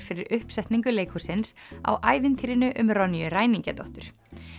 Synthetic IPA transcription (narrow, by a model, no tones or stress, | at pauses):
fɪɾɪɾʏhpsɛht̪niŋkʏleːjkʰusɪnsa̰wʔaːjvɪnt̪ʰiɾɪnʏʔʏmɾɔnːijʏɾaːjniŋcɛt̪ɔ̰wht̪ʏɾ̥